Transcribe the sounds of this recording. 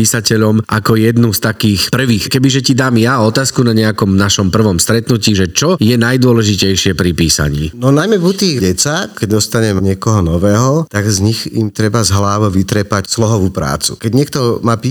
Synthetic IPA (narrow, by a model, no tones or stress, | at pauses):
iːsacɛʎɔmʔakɔjɛd̪nust̪akiːxpr̩ʋiːxkɛbiʒɛcid̪aːmjaɔt̪aːskunaɲɛakɔmnaʃɔmpr̩ʋɔmst̪ɾɛt̪nuciːʒɛt͡ʃɔjɛnajd̪ʊɔlɛʒicɛjʃɪɛpɾipiːsa̰ɲḭːnɔnajmɛvut̪iːɟɛt͡sakɛɟd̪ɔst̪aɲɛmɲɪɛkɔɦɔnɔʋɛːɦɔt̪aɡzɲixḭmt̪ɾɛbazɦlaːʋɔʋit̪ɾɛpacslɔɦɔʋuːpɾa̰ːt͡sṵkɛɟɲɪɛkt̪ɔmaːpi